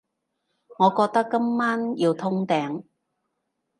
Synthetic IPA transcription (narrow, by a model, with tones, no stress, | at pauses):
ŋɔː˨˧kɔː˧k̚t̪ɐ˥kːɐ˥mmaː˥njiː˧wt̪ʰʊ˥ŋt̪ɛː˨˥ŋ